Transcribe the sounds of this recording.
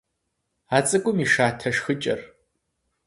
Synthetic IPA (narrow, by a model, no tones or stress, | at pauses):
aːt͡sʼɨkʷʼʊmiːʂaːtʰɐʂxɨt͡ʃʼɐ̰r